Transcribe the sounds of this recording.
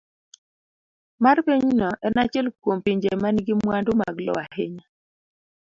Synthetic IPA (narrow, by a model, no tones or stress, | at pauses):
marpiɲnɔʔɛnat͡ʃɛlkwompiɲd͡ʒemanɡimwandʊma̰ɡlɔ̰aheɲa